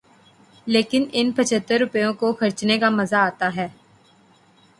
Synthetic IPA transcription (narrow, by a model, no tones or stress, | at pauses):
leːkɪnɪnpɐt͡ʃʰət̪ːəɾːʊpəjõkoxɐɾt͡ʃnekamɐzaːt̪aɦɛː